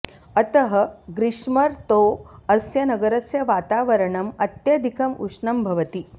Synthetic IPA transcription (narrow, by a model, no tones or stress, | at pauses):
ɐt̪əɦɐɡɾiʂmɐɾt̪oɐsjɐnɐɡɐɾɐsjɐʋaːt̪aːʋɐɾɐɳɐmɐt̪jɐd̪ʱikɐmṵʂɳɐmbʱɐʋɐt̪i